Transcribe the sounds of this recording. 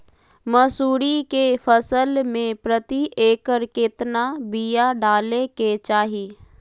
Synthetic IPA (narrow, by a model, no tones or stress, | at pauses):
məsuːɾikefʰəsəlmẽpɾət̪iʔeːkəɾket̪nabijaɖaːleket͡ʃaːɦiː